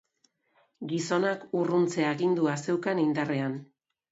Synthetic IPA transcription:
ɡiso̞nakurunt͡se̞aɣind̪uase̞wkanind̪are̞an

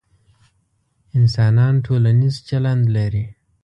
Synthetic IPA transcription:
ɪnsɑnɑnʈʰolanizt͡ʃaland̪laɾi

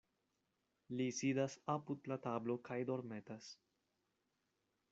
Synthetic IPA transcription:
lisidasapud̪lat̪ablo̞kʰajd̪o̞ɾmet̪as

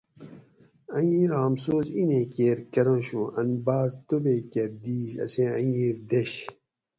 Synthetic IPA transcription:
ɐŋɡiːɾãːmsoːzinẽːkeːɾkɐɾõːɕũʔɐnbaːɾt̪obeːkeɾd̪iːɕɐ̰sẽɐ̃ŋɡiːɾd̪eɕ

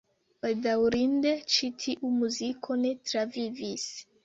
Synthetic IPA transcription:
baldawɾinde̞t͡ʃitʰiʔumuzikʰo̞ne̞tɾavivis

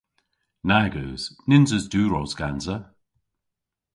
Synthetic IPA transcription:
naɡəːz̥nɪnzəzduːɹɔwzɡ̥anzə

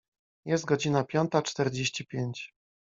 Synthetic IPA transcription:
jɛst̪̚ɡɔd͡ʑinapʲjɔnt̪at͡ʂt̪ɛɾd͡ʑeɕt͡ɕipʲjeɲt͡ɕ

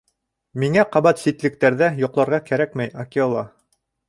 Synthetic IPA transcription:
miŋæqɑbɑt̪sit̪lɘ̆k̚t̪æɾðæjŏqlˠɑɾʁɑkæɾækmæjakʲeolˠɑ

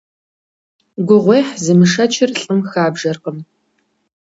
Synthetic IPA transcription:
ɡʷʊʁʷejħzɨmɨʂɐt͡ʃʰɪrɬʼɨmxaːbʒɐrqəm

